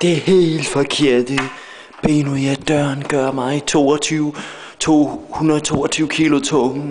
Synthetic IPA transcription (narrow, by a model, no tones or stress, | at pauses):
d̥e̝ɐhe̝̰ːld̥fɒkʰe̝ɐ̰d̥i | b̥e̝̰ːnuæd̥ɶɐnɡ̥ɶɐmɑ̈t͡sʰo̝̰ːɒt͡sʰyʊ | t͡sʰo̝̰ːhunɐðˠt͡sʰo̝̰ːɒt͡sʰyːʊkʰilo̝t͡sʰɔ